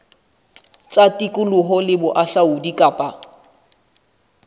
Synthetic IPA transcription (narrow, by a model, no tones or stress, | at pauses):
t͡sʼatʼikʼʊlʊɦɔlɪbʊʔaɬaʊdikʼaːpʼa